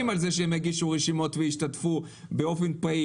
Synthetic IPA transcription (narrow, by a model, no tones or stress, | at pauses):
imalzeʃeemeɡiʃuʁeʃimo̞tveiʃtat̪fubeo̞fenpai